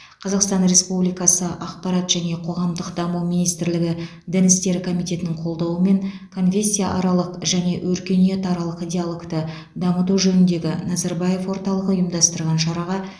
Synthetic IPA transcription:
qʰɑzɑqst̪ɑnɾe̞spublijkɑsəʔɑqpɑɾɑt̪ʒ̥æne̞qʰo̞ʁɑmd̪əqd̪ɑməwminijst̪ɪɾlɪɡʲɪ | d̪ɪnɪst̪e̞ɾɪkʰo̞mijt̪e̞t̪ɪnɪɴqʰo̞lˠd̪ɑwəme̞ŋkʰo̞nfʲe̞sʲːijaʔɑɾɑlˠəqʒæne̞wʔɵɾkʲe̞nije̞t̪ɑɾɑlˠəqijd̪ʲealˠo̞kt̪ə | d̪ɑmət̪uʒɵnɪnd̪e̞ɡʲɪnɑzɑɾbɑje̞fwo̞ɾt̪ɑlˠəqʊjəmd̪ɑst̪əɾʁɑnʃɑɾɑʁɑ

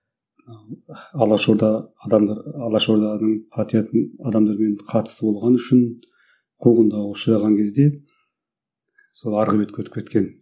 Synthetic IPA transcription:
nɑwɑlˠɑʃoɾd̪ɑd̪ɑmd̪ɑɑlˠɑʃo̞ɾd̪ɑnəɴpʰɑt̪ijɑt̪ɑd̪ɑmd̪ɑɾme̞ɴqʰɑt̪ə̥səbo̞lˠʁɑnʏʃɪn | qʰuʁənd̪ɑʊʃəɾɑʁɑŋkʲʰe̞zd̪e̞ | so̞lˠɑɾʁəbe̞t̪̚kʲʰɵt̪ɪ̥pkʲʰe̞t̪̚kʲe̞n

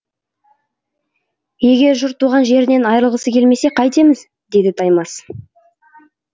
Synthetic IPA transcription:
je̞ɡʲe̞ɾʒʊɾt̪ʰːuʁɑnʒe̞ɾɪnenɑjɾəlˠʁəsəkʲʰe̞lme̞se̞qʰɑjt̪e̞mɪz | d̪e̞d̪ɪt̪ʰɑjmɑs

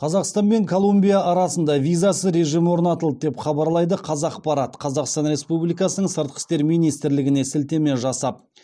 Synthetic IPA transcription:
qʰɑzɑqst̪ɑnbe̞ŋkʰo̞lˠumbʲijaʔːɾɑsənd̪ɑvʲijzasəɾe̞ʒijmwo̞ɾnɑt̪əlˠd̪əd̪e̞pχɑbɑɾlˠɑjd̪əqʰɑzɑq̚pɑɾɑt̪qʰɑzɑqst̪ɑnɾʲe̞spublijkɑsənəɴsəɾt̪̚qə̥st̪e̞ɾmijnijst̪ɪɾlɪɡʲɪne̞sɪlt̪e̞me̞nʒɑsɑp̚

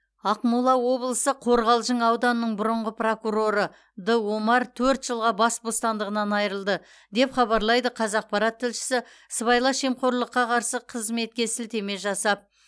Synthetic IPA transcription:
ɑqmulˠɑwo̞blˠəsəqʰo̞ɾʁɑlˠʒəɴɑwd̪ɑnəːəɴbʊɾəɴʁəprokuɾo̞ɾə | d̪əwo̞mɑɾt̪ʰɵɾt̪ʒəlˠʁɑbɑsbost̪ɑnd̪əʁənɑnɑjəɾəlˠd̪ə | d̪e̞pχɑβɑɾlˠɑjd̪əqʰɑzɑq̚pɑɾɑt̪ʰːɪlʃɪ̥sɪ | səβɑjlˠɑʃemqo̞ɾlˠəqːɑqʰɑɾsəqʰəzme̞t̪̚kʲe̞sɪlt̪e̞me̞ʒɑsɑp̚

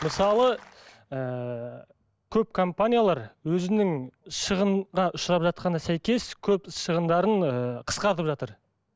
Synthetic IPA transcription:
məsɑlˠə | ə | kʲʰɵp̚kʰompanʲijalˠɑɾwɵzɪnɪŋʃəʁəɴʁɑʔʊʃɾɑpʒɑt̪̚qɑnɑsæjkʲe̞skʲʰɵpʃəʁənd̪ɑɾəɴəqʰə̥sqɑɾt̪əpʒɑt̪əɾ

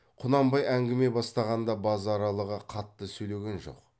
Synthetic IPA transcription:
qʰʊnɑmbɑjæŋɡʲɪme̞bɑst̪ɑʁɑnd̪ɑbɑzɑɾɑlˠəʁəqʰɑt̪ːəsɵjle̞ɡʲenʒo̞̰q

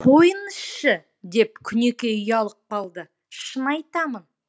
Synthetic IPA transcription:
qʰo̞jənəsʃə | d̪e̞p̚kʲʰʏne̞kʲe̞ʏjɑlˠəq̚qɑlˠd̪ə | ʃənɑjt̪ɑmən

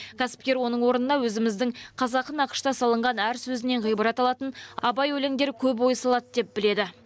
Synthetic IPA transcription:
kʲʰæsɪ̥p̚kʲe̞ɾwo̞nəɴwo̞ɾənənɑwɵzɪmɪzd̪ɪŋɴqʰɑzɑqːənɑqə̥ʃt̪ɑsɑlˠəɴʁɑnæɾsɵzɪne̞ɴʁijbəɾɑt̪ɑlˠɑt̪ənɑbɑjwɵle̞ŋd̪e̞ɾkʲʰɵp̬wojsɑlˠɑt̪d̪e̞p̚bɪle̞d̪ɪ

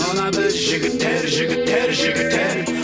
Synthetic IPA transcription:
ɑnɑbɪɾʒɪɡʲɪt̪ːeɾʒɪɡʲɪt̪ːeɾʒɪɡʲɪt̪̚t̪ːeɾ

